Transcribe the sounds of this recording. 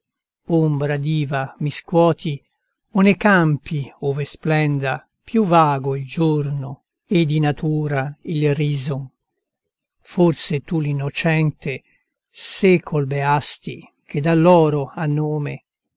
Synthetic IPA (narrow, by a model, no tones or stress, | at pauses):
ombɾad̪iːvamiskwɔːt̪ʰi | onekampioːvesplɛnd̪a | pjuvaːɡoild͡ʒorno | ed̪ːinat̪ʰuːɾailriːzo | forset̪ulinːot͡ʃɛnt̪e | sekʰːolbeast̪ḭ | k̟ed̪alːɔːɾoanːoːme